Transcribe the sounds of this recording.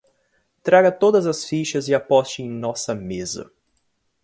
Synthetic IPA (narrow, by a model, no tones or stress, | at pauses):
t̪ɾaɡɐt̪od̪ɐzɐsfiʃɐzɪapɔst͡ʃɪẽj̃nɔsɐmezɐ̰